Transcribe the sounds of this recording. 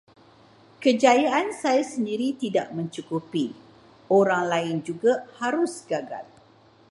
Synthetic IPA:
kəd͡ʒajaʔansajasəndiɾit̪ida̰ʔmə̃ɲt͡ʃukupi | oɾaŋlaɪnd͡ʒuɡahaɾʊsɡaɡa̰l

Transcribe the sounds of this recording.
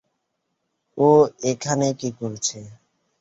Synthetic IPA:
oekʰanekikoɾt͡ɕʰe

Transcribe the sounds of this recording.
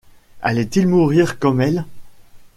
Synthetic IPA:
a̰lɛt̪ilmuʁiːʁkɔmɛl

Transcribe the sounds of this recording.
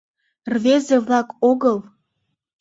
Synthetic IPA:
rvezevlɑkoɣəlˠ

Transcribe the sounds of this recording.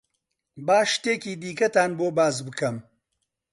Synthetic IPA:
baːʃt̪eːkiːd̪iːkɐt̪aːnboːbaːzbɨkʰɐm

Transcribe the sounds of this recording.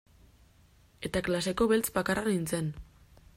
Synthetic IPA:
e̞t̪aklase̞ko̞βe̞lt͡sbakaranint͡se̞n

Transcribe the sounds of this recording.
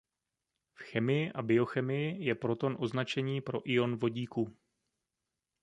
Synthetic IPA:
fxɛmɪjɪʔabɪo̞xɛmɪjɪjɛpɾo̞t̪o̞nʔo̞znat͡ʃɛɲiːpɾo̞̰ʔɪo̞nvo̞ɟiːku

